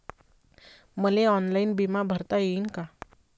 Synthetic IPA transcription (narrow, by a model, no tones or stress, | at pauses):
məleɔnlainbimabʱəɾt̪ajeinka